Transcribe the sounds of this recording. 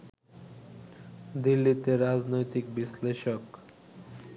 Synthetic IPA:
d̪ilːit̪eɾad͡ʑnojt̪ik̚bisleʃok

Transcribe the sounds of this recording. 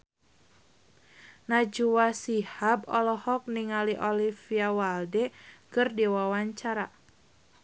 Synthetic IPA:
nad͡ʒuwasihabɔlɔhɔk̚niŋaliʔɔlifiawaldɛkɨrdiwawaɲt͡ʃaɾa

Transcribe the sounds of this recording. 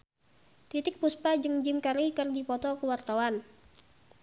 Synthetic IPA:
t̪it̪ɪk̚puspad͡ʒɨŋd͡ʒɪmkaɾikɨrdipɔt̪ɔkəwart̪awan

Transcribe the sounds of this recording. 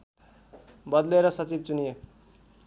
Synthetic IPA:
bʌd̪leɾʌsʌt͡sib̚t͡sunije

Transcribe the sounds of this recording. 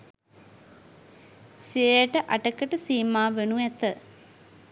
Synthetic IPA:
sieəʈəʔaʈəkəʈəsiːmaːʋenuɛt̪ə

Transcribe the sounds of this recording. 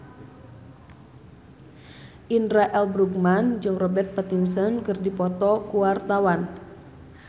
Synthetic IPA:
ʔinraʔɛlbɾuk̚mand͡ʒɨŋrɔbɛrt̪̚pat̪imsənkɨrdipɔt̪ɔkuwart̪awan

